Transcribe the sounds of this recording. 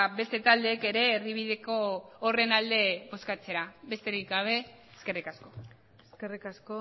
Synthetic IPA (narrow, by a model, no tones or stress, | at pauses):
βe̞st̪e̞t̪ald̪e̞ːke̞ɾe̞ːriβ̞iðe̞ko̞ːre̞nald̪e̞βo̞skat͡se̞ɾaβe̞st̪e̞ɾikɡaβ̞e̞ | eske̞rikasko̞ | eskerikasko